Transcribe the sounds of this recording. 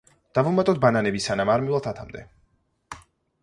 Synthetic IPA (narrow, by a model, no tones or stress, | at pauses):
d̪̥avumat̪ʼɔt̪̚bananɛbisanamaɾmivlˠat̪ʰat̪ʰamd̪ɛ